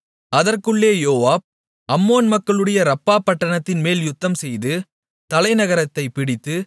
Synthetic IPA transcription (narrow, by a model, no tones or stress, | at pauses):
ɐðɐrkɯɭːeːjoːʋaːb̚ | ʔɐmːoːnmɐkːɐɭɯɽɐjɐɾɐpːaːpːɐʈːɐɳɐt̪ːɪnmeːljʊt̪ːɐmsɛjðɯ | t̪ɐlɐɪnɐɣɐɾɐt̪ːɐɪpɪɽɪt̪ːɯ